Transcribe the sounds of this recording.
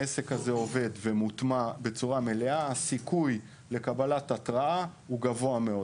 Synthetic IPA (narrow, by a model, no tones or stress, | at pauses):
ese̞khaze̞o̞ve̞d̪ve̞mut̪mabe̞t͡suʁame̞le̞aasikuj | le̞kabalatat̪ʁaa | uɡavo̞ame̞o̞